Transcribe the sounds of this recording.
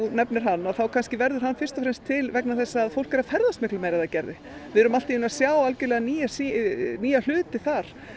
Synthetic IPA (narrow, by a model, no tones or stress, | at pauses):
nɛpnɪɾ̥ɦanːaðθawkʰanscɪvɛɾðʏɾ̥ɦanːfɪ̥st̪ɔfɾɛnmst̪ʰːɪlvɛknaθɛsːaːðfowl̥kɛɾaðfɛɾðast̪mɪhklɪmɛːjɾaðacɛɾðɪ | vɪðʏɾʏmal̥t̪ɪiʏnasjaːwalcɪɾlɛːɣaniːjasiniːjal̥ʏːt̪ɪθaɾ̥